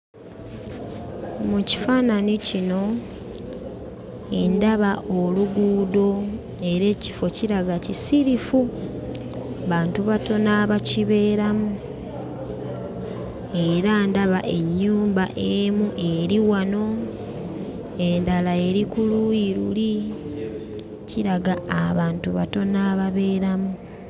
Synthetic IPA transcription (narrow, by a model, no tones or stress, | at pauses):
muci̥faːnanicino̞ | endaβaʔoluɡuːdo̞ | e̞ɾe̞ːci̥fo̞ciɾaɡacisiɾifu | βaːntuβato̞naːβaciβe̞ːɾamu | eɾandaβaʔe̞ɲːuːmbaʔemuʔe̞ɾiwano̞ | endalae̞ɾikulujiɾuli | ciɾaɡaaβaːntuβa̰to̞naːβaβe̞ːɾamu